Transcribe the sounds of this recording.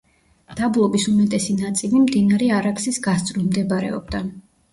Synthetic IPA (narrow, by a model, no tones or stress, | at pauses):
d̪̥ablˠɔbisumɛt̪ʼɛsinat̪sʼilimd̪inaɾɛaɾaksisɡast̪sʼɾɔmd̪ɛbaɾɛ̰ɔ̰bd̪a